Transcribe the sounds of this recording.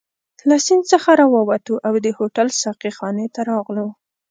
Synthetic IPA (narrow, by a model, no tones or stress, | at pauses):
lasɪnd̪t͡səxaɾɑwɑwat̪uʔawd̪əhoʈalsaqixɑnet̪aɾɑɣlu